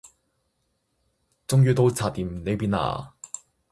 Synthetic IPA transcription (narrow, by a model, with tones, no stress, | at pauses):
t͡sʊ˥ŋjyː˧t̪o˧wt͡sʰaː˧˩t̪iː˨mne˨˧jpiː˧˥na̰ː˨˩